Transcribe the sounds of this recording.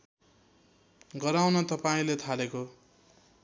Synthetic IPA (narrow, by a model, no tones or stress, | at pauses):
ɡʌɾawnʌt̪ʌpaĩlet̪ʰaleko